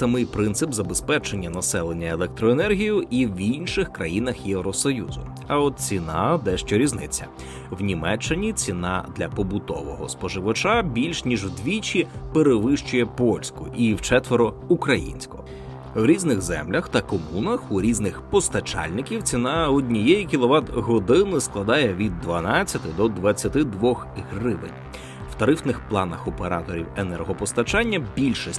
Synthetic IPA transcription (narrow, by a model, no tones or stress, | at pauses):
sɐmɪjpɾɪnsɪpzɐbespɛt͡ʃenʲːɐnɐsɛlˠenʲːɐelˠɛk̚t̪ɾɔenɛrɦʲijʊʔiwinʃɪxkɾɐjinɐxjɛwɾɔsɔjṵzʊ̰ | ɐɔt̪̚t͡sʲinɑd̪ɛʃt͡ʃɔɾʲiznɪt͡sʲːɐ̰ | wnʲimɛt͡ʃːɪnʲit͡sʲinɑ̰d̪lʲɐpɔbʊt̪ɔ̰ʋɔ̰ɦɔ̰spɔʒɪʋɐt͡ʃabʲilʲʃnʲiʒwd̪ʋʲit͡ʃʲipeɾeʋɪʃt͡ʃʊjɛpɔlʲsʲkʊʔiwt͡ʃɛt̪ʋeɾɔ | ukɾɐjḭnʲsʲkɔ̰ɦ | wɾʲiznɪɣzɛ̰mlʲɐxt̪ɐkɔmunɐxuɾʲiznɪxpɔst̪ɐt͡ʃɑ̰lʲnɪkʲiwt͡sʲinɑɔd̪ʲnʲijɛjikʲilˠɔʋɑd̪ɦɔd̪ɪnɪsklˠɐd̪ɑjɛʋʲid̪ːʋɐnɑt͡sʲːɐt̪ɪd̪ɔd̪ʋɐt͡sʲːɐt̪ɪd̪ʋɔxɦrɪʋɪ̰nʲ | w̥t̪ɐɾɪfnɪxplˠɑnɐxɔpeɾɑt̪ɔɾʲiwenɛrɦɔpɔst̪ɐt͡ʃɑnʲːɐbʲilʲʃɔsʲ